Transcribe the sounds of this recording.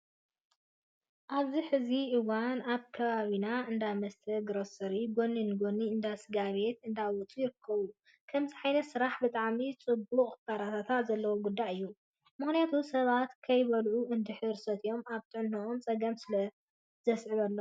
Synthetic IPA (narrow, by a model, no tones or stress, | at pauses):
ʔaβziħɨziʔɨwanaβkʰɐβaβinaɨnd̪amɐst̪ʰɐɡɨɾosɨɾiɡo̞nːinɡo̞nːiɨnd̪asɨɡaβe̞t̪ɨnd̪awɔt͡sʼujɪɾɨkʰːɐβu | kʰɐmziħajnɐsɨɾaħbɨt̪ʼaʕmit͡sʼɨbuχʼbʰaɾat̪ʰat̪ʰat̪zɐlːɐwoɡud̪ːaʔɨjːu | mɨxnijat̪ʰusɐβat̪kʰɐjβɐlʕuɨnd̪ɨħɨɾsɐt̪ʰɨjo̞maβt̪ʰɨʕɨnːoʔomt͡sʼɐɡɐmsɨlɐ | zɐsʕɨβɐlːo